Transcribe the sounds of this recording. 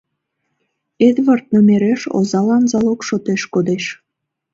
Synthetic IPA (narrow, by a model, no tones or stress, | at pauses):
ed̪βərt̪̚nomeɾeʃo̰zɑlɑnzɑlokʃot̪eʃkod̪eʃ